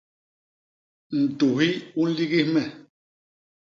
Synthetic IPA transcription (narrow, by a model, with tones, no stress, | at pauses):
n̩˨tu˨ɦi˦u˦n̩˦li˦ɣi˦hmɛ˨